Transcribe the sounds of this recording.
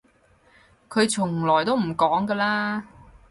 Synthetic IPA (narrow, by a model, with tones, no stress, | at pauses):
kʰɵ˨˧ɥt͡ʃʰʊ˨˩ŋlɔː˨˩jt̪o˥wm̩˨˩kɔː˨˥ŋkəː˧laː˥